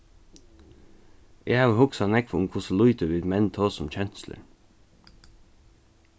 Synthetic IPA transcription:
ʔeːɑhʊksɑnɛkfʊŋkʰʊslʊʏt̪əʋɪd̪mɛnt̪ʰoːsɔmc͡çɛnslə̰ɹ

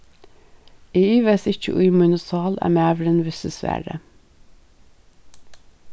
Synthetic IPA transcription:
iːyːʋeːsɪc͡çə̰ʔʊɪmʊnʊsɑːlʔæ̰ːmeæʋɾənʋɪsəsʋæ̰ːɖə̰

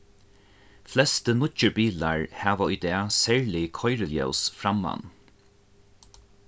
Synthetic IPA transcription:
flɛst̪ənʊt͡ʃəɹbiːlaɹhæːʋaʊjd̪ɛːsɛɹlɪkʰɔjɹəljɛ̰wsfɹamːa̰n

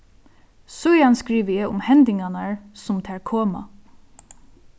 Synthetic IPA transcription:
sʊjanskɹiːʋəjɛʔʊ̰mhɛnd̪ɪŋɡanaɹsʊmt̪ʰɛːɹkʰoːma̰

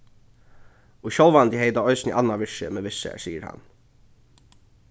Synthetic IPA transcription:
ʊçɔlʋand̪ɪheɪd̪aɔʏsnɪʔɑnːaʋɪʂə̰mɛʋɪʂə̰æ̰siːə̰ɾhɑ̰n

